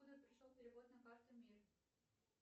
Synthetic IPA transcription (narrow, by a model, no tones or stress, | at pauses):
ud̪ərpɾʲɪʂolˠpʲɪɾʲɪvod̪nəkɑrt̪əmʲir